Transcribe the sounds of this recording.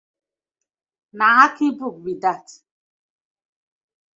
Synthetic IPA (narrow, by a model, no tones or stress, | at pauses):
naŋakibuk̚bidat